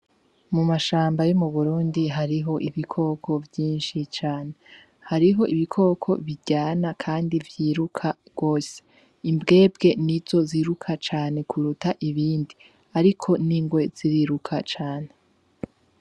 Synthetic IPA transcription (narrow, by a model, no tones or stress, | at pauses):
mumaʃaːmbajomuβuɾuːndiɦaɾiɦo̞ʔiβikʰo̞ːkʰo̞vjiːnʃit͡ʃaːne̞ | haɾiɦo̞ʔiβikʰo̞ːkʰo̞̰βiɟaːnakʰaːndivjiːɾukʰa | ɡ̥o̞ːse̥ | imbɡe̞ːb̚ɡe̞nizo̞ziɾukʰat͡ʃaːne̞kʰuɾutaʔiβiːndi | aɾikʰo̞niːŋɡwe̞z̥iɾiːɾukʰat͡ʃaːne